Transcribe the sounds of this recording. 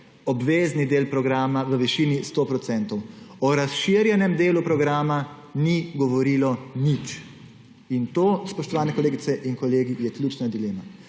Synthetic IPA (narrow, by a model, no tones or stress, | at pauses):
ɔbʋeːznid̪eːlpɾɔɡɾaːmaʋəʋiʃiːnist̪oːpɾɔt̪sɛnt̪ɔwɔɾasʃiɾjɛnɛmd̪eːlupɾɔɡɾaːma | niɡɔʋɔɾiːlɔnit͡ʃ | int̪oːspɔʃt̪ɔʋaːnɛkɔleːɡit̪sɛʔinkɔleːɡijɛklʲut͡ʃnad̪ileːma